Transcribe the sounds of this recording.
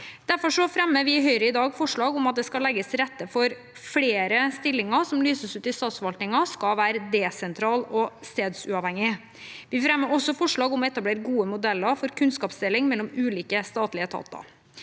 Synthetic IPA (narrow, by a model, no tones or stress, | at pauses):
d̪̥æɾfɔʂɔfɾɛmːəʋɪɦœʏɾəɪd̪ɑːɡfɔʂɭɑːɡɔmɑt̪̚d̪ɛskɑlɛɡːəsɾɛt̪ːəfɔɾ | fɽeːɾəst̪ɪlːɪŋəɾsɔmlyːsəsʉːt̪ɪst̪ɑːt̪sʋɑlt̪nɪŋɑskɑʋæːɾəd̪ɛːsɛnt̪ʰɾɑːlɔst̪eːd̪sʉɑʋhɛŋːɪ | ʋɪfɾɛmːəɾɔsːɔfɔʂɭɑːɡɔmɛt̪ɑbleːɾɡuːəmʊd̪ɛlːəɾfɔɾkʰʉnskɑːpsd̪ɪlːɪŋmɛlːɔmʉːliːkəst̪ɑːt̪lɪət̪ʰɑ̰t̪ːɑ̰